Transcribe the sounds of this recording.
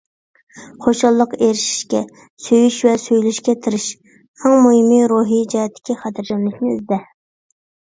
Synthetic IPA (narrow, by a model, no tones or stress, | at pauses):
χoʃɑlˠːəqeɾɪʃi̥ʃkʲɛ | søjyʃwɛsøjlyʃkʲɛt̪ʰɪɾɪʃ | æŋmuɦimiɾuɦid͡ʒɛɛt̪ʰːɪ̥kʲiχɑt̪ʰɪɾd͡ʒɛmlɪkʲnɪ̰ːzd̪ɛ